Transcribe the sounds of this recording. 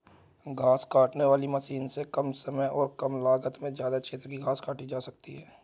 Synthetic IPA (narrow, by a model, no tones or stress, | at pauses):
ɡʱaːskaːʈneʋaːlimɐsiːnsekɐmsɐməjɔːɾkɐmlaːɡət̪mẽzjaːd̪at͡ʃʰeːt̪ɾəkiɡʱaːskaːʈid͡ʒaːsɐk̚t̪iɦɛː